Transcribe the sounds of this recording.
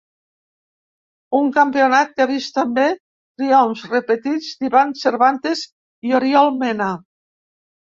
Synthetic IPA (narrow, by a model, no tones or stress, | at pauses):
uŋkampionat̪̚kaβist̪ambe | t̪ɾiɔɱzrepet̪id͡zd̪iβanseɾβant̪ez | ioɾiɔlˠmena